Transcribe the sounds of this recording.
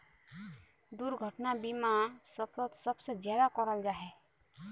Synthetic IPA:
d̪uɾɡʱɔʈnabimasɔpɾɔt̪sɔbsed͡ʒjad̪akɔɾɔld͡ʒaɦɛ

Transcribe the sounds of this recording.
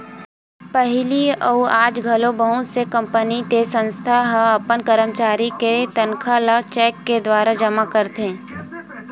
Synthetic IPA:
pəɦɪliɔaːd͡ʒɡʱɐlobəɦʊt̪sekɐ̃mpənit̪esə̃nst̪ʰaɦɐpənkəɾəmt͡ʃaːɾiket̪ɐnkʰalət͡ʃɛːkːed̪waːɾad͡ʒɐmakəɾt̪ẽː

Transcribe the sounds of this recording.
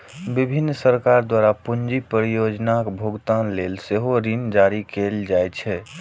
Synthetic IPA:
bibʱinːsəɾkaɾd̪waɾapund͡ʒipəɾjod͡ʒnakbʱoɡt̪anleːlseɦoɾind͡ʒaɾikeld͡ʒajt͡ʃʰɛ

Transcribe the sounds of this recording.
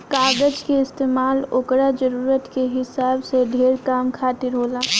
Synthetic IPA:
kaːd̪əd͡ʒkeɪst̪eːmaːloːkɾad͡ʒəɾuːɾət̪keɦɪsaːbseɖ̪ʱeːɾkaːmkʰaːt̪ɪɾɦoːlaː

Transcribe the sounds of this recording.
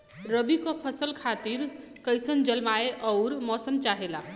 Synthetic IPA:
ɾəbikɔpʰəsəlkʰat̪iɾ | kəjsənd͡ʒəlmaeʔɔʊɾmɔsəmt͡ʃaɦela

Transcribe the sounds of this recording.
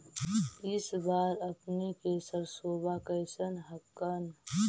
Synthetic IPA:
ɪsbaːɾəpnikeːsəɾsoːbakəɪsənɦəkːən

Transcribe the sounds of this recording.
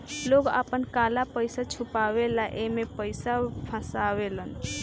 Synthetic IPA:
loɡə̰pənkalapəjsat͡ʃʰupawelaʔemepəjsapʰə̃saβelən

